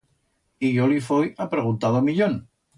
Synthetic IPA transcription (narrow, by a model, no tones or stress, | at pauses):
iʝolifojapɾeɣ̞unt̪aðomiʎon